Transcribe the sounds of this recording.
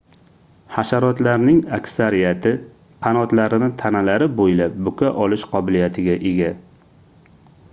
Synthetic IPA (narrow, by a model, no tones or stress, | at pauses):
haʃaɾɒt̪laɾnɪŋakʲsaɾijat̪ʰɪ | qʰɑnɒt̪laɾɪnɪt̪ʰanalaɾɪbojlap̚bʊkʰʲaʔɒlɪʃqʰɒbɪlijat̪ʰɪɡʲaʔeɡʲa